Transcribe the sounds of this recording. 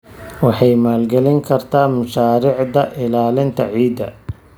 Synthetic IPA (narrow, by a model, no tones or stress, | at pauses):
wɑħɑjmaːlɡɛlɪŋkʰɐrt̪ʰaːmʊʃaːɾɪʕd̪ɐʔɪlaːlɪnt̪ʰɐʕiːd̪ɐ̰